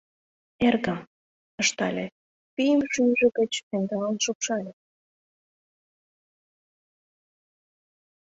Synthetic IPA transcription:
erɣəm | ə̆ʃt̪ɑlʲe | pijəmʃynʒĕɣə̆t͡ɕt̪end̪ɑlɑnʃopʃɑlʲe

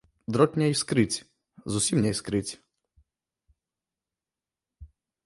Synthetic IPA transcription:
d̪ɾɔtʲnʲɐiskɾɪt͡sʲ | zusʲimnʲɛiskɾɪt͡sʲ

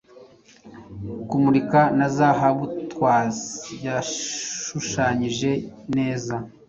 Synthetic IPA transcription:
kumuɾikanazaɦaβutwaːzijaʃuʃaːɲiʒe̞ne̞ːza

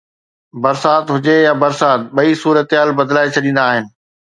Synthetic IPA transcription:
bɐɾsaːt̪ɦʊd͡ʑejabɐɾsaːt̪̚ɓɐisuːɾət̪ɦaːlbɐd̪laːet͡ɕʰɐɗĩːn̆d̪aːɦɪnɪ̆

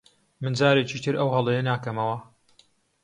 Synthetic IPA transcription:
mɨnd͡zaːɾeːt͡ʃit̪ʰɨɾʔɐwɦɐlˠejɐnaːkɐmɐwɐ

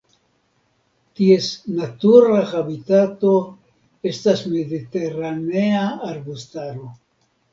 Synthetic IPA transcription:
tie̞snatuɾaxabit̪at̪o̞ | e̞stasme̞d̪it̪e̞ɾaneaːɾbust̪aɾo̞

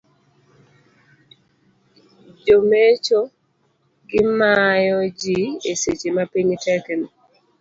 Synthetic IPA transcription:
d͡ʒomet͡ʃo | ɡɪmajɔd͡ʒieset͡ʃemapiɲtɛkɛnɔ

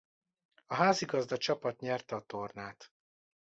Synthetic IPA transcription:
ɒɦaːziɡɒzd̪ɒt͡ʃɒpɒt̪ɲɛrt̪ɛɒt̪ornaːt̪

